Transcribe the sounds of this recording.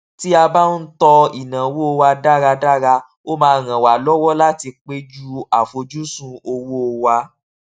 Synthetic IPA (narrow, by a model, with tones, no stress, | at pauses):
ti˦a˧ba˦n̩˦tɔ˧i˨nã˨wo˦o˧wa˧da˦ɾa˧da˦ɾa˧ | o˦mãː˧˦˧ɾ̃ã˨wa˨lɔ˦wɔ˦la˦ti˧k͡pe˦d͡ʒu˦a˨fo˧d͡ʒu˦sũ˦o˧wo˦o˧wa˧